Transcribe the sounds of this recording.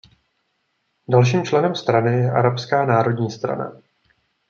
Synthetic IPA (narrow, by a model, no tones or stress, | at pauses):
dalʃ̬iːmt͡ʃlɛnɛmst̪ɾanɪjɛʔaɾapskaːnaːɾo̞dɲiːst̪ɾa̰na̰